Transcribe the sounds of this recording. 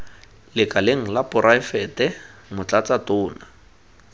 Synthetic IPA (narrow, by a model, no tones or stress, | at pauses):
lɪkʼaleŋ̩lapʊɾʔaɪfɛtɛmʊt͡ɬʼat͡sʼatʊːna